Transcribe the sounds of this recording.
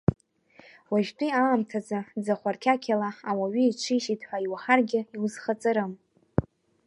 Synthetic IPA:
waʒtʼiaːmtʰad͡zad͡zaχʷarkʲʰakʲʰalaawaɥiiʈ͡ʂʷʰiʃitʰʼħʷaiwaħarɡʲɪiwzχat͡sʼaɾɨm

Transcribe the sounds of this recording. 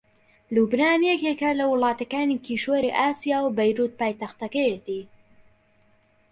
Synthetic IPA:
lubnaːnijekekɐlɐwʊlˠɑːt̪ɐkaːnikiːʃwoɾiʔaːsijaːwbɐjɾuːt̪̚paːjt̪ɐxt̪ɐkɐjet̪iː

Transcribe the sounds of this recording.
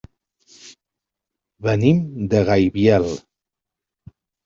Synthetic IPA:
βənimd̪əɣajβjɛlˠ

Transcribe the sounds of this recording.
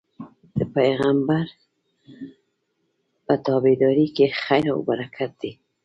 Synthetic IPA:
d̪̥əpajɣambaɾ | pat̪ɑbed̪ɔɾikexajɾao̰baɾakʰat̪̚d̪i

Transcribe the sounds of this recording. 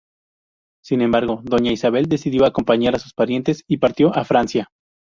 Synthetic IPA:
sinẽ̞mbaɾɣo̞ðo̞ɲaisaβe̞ld̪e̞siðjo̞ako̞mpaɲaɾasuspaɾje̞nt̪e̞sipaɾt̪jo̞ʔafɾansja

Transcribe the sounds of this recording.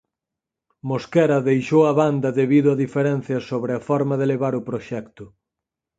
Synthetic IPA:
moskɛɾɐðejʃowɐβand̪ɐðeβiðʊɐðifeɾɛn̟θjɐsoβɾɪɐfɔɾmɐðeleβaɾʊpɾoʃɛkt̪ʊ

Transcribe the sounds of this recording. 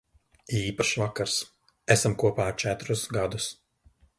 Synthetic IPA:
iːpaʃvakaɾs | æsamkuɔpaːɾt͡ʃæt̪ɾusɡad̪us

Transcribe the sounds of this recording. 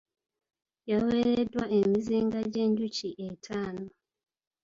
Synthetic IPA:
jaweɾedwaemiziːŋɡaɟe̞ːɲɟuciʔetʰaːno

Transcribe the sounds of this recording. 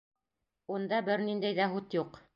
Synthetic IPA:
und̪ɑbɘɾnind̪æjðæɦʉt̪juq

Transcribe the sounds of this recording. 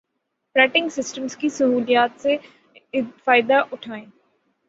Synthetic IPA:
fɾɛːʈɪ̃ŋɡsɪsʈəmskisɐɦuːlijaːt̪se | faːɪd̪aʔʊʈʰaːẽː

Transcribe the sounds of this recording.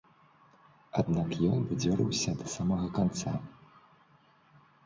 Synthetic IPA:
ad̪nakjɔnvɨd͡zʲɔɾɨwsʲɐd̪ɐsamɐɣɐkant̪sa̰

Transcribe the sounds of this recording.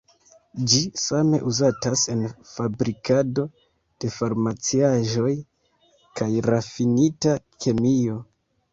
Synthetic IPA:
d͡ʒisame̞̰ʔuzatase̞nfabɾikado̞ | d̥e̞faɾmat͡siaʒo̞j | kajɾafinitakʰe̞mio̞

